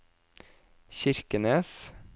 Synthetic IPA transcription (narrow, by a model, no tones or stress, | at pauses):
çɪɾkəneːs